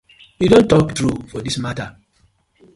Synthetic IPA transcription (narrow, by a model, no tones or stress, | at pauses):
judõntːɔktɹufɔdismata